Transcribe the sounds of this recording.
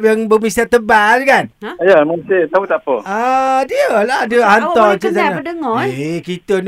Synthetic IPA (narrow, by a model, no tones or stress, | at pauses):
p̚jaŋbəmisat̪əbad͡ʒkanjəmənsit̪abut̪apəadiəladiəɦant̪ɔt͡ʃəsaədəŋɔekit̪ən